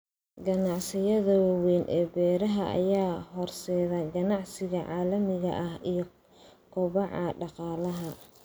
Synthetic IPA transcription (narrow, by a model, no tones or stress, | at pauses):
ɡɐnɑʕsɪjɐðɐwɑwɛːnʔɛ̰ːbɛːɾɐɦɐʔɐ̰jaːɦɔrsɛːðɐɡɐnɑʕsɪɣɐʕɑːlɐmɪɣɐ̰ʔɐhijɞ | kʰʊβɑʕɑɖɑqɑːlɐɦɐ